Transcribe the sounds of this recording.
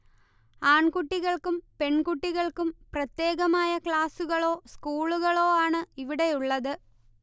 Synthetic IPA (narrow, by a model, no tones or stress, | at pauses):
aːɳkuʈːiɣɐɭkumpe̞ɳkuʈːiɣɐɭkumprɐt̪je̞ːɣɐmaːjɐkɭaːsuɣɐɭo̞ːskuːɭuɣɐɭo̞ːaːɳɨiʋiɽe̞juɭːɐðɨ